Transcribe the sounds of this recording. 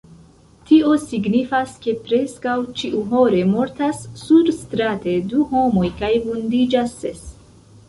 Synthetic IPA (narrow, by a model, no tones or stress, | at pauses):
tio̞siɡnifaske̞pɾe̞skawt͡ʃiʔuɦo̞ɾe̞mo̞ɾtasːuɾstɾate̞duɦo̞mo̞jkajvundid͡ʒasːes